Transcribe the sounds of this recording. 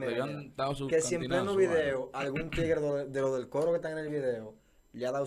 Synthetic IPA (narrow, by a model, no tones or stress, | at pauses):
eat̪akesiemenoβiðe̞oalɣunt̪iɣeɾðoðeloðe̞lko̞ɾokest̪aŋene̞lβiðe̞o | leaðaw